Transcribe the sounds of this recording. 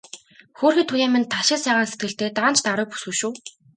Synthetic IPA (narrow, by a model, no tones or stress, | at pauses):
xoːrxiːt̪ʰːujaːmĭnt̪ʰaʃɪ̆sæːʁaːnset̪̚ɡɘ̆ɬt̪eːt̪aːnt͡ɕʰt̪aɾʊːpu̥sŭʃuː